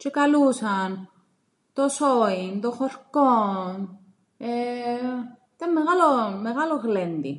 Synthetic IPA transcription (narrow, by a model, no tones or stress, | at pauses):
t͡ʃekalusan | t̪osoint̪oxoɾkon | e | t̪amːeɣalomeɣaloɣlend̪ḭ